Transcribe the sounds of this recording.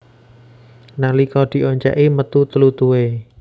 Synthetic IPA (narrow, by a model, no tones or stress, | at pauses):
nalikɔd̪̥i̤ʔoɲt͡ʃɛ̰ʔimət̪ut̪əlut̪uwe